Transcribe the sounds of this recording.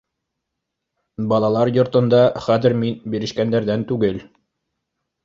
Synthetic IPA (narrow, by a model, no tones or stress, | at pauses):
bɑlˠɑlˠɑɾjŏɾt̪ɤ̆nd̪ɑχæðɘ̆ɾminbiɾɘ̆ʃkænd̪æɾðænt̪ʉɡɘl